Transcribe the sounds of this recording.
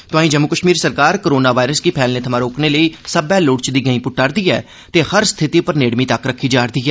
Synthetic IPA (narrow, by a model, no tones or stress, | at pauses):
t̪ʊaːĩːd͡ʒəmːʊkəʃmiːɾsəɾkaːɾkoɾoːnaːʋaːɪɾəsɡiːpʰɛːlneːt̪ʰəmãːɾoːkneːləiːsəbɛːloːɽt͡ʃd̪iːɡə̃ĩːpʊʈːəɾd̪iːɛː | t̪eːhəɾst̪ʰɪt̪iːpəɾneːɽmĩːt̪əkɾəkʰːiːd͡ʒaːɽd̪iːɛː